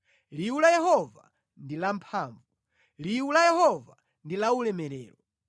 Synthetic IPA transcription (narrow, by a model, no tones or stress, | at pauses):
liulajɛɦɔva̰ | ndilampʰaːɱvu | liwulajɛhɔva | ndilaulɛmɛɾɛːlɔ